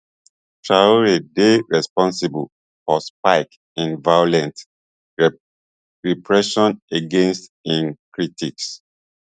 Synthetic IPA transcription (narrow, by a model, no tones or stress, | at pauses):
ʃaoɹedeɹɛspɔ̃nsibəl | fɔsp̚aɪk | ĩnvajolɛ̃nt | ɹipʰɹɛʃɔ̃neɡẽnstĩnkɹitʰiks